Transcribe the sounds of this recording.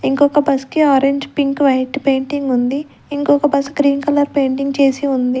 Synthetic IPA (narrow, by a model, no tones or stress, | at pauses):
iŋkɔkɐbɐskiaːɾeɲd͡ʒpiŋkʋɐjʈpeːɳʈiŋɡund̪i | iŋkɔkɐbɐsɡɾiːnkɐlɐɾpe̞ːɳʈiŋɡt͡ʃeːsiund̪i